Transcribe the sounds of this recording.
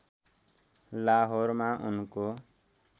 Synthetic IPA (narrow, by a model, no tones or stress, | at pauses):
laːɦoɾmãʔunko